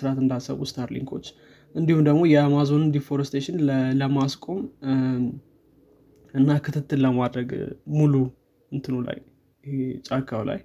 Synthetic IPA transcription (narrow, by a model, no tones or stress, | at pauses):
sɨɾat̪ɨnd̪asə̰βust̪ʰaɾlḭŋkʰo̞̰t͡ʃː | ʔɨnd̪ihumd̪əɡmo̞jɛamazo̞nɨnd̪ifo̞ɾɛst̪ʰeʃɪnləmaskʼo̞m | ɨnːakʰɨt̪ʰɨt̪ʰːɨlləmad̪ɾəɡmulu | ɨnt̪ʰɨnola̰j | t͡ʃʼakʰʼːawla̰j